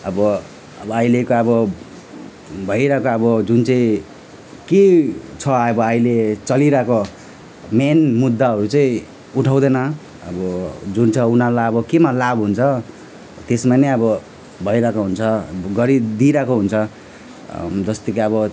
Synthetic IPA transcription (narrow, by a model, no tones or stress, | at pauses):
ʌbʌ | ʌbʌʌilekoʌbʌ | bʱʌjɾʌkoʌbʌd͡zunt͡sʌ̃ĩ | ket͡sʰʌʌbʌʌilet͡sʌliɾʌko | menmud̪ːaɦʌɾut͡sʌĩ | uʈʰaw̃d̪ʌnʌ | ʌ̰bʌd͡zunt͡sʰʌunalaʌbʌkemalabɦunt͡sʰʌ | t̪esmaneʌbʌ | bʱʌiɾʌkoɦunt͡sʰʌɡʌɾid̪iɾʌkoɦunt͡sʰʌ | d͡zʌst̪ʌkeʌbʌ